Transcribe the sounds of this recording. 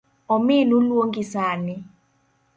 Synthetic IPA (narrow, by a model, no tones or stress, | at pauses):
ɔmɪnulwoŋɡisanɪ